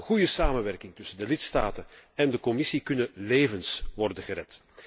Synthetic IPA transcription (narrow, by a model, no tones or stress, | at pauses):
ɣujəsaːmənʋɛrkɪŋtʏsəndəlɪtstaːtənɛndəkɔmɪsikɵnəleːvənsʋɔrdənɣəɾɛt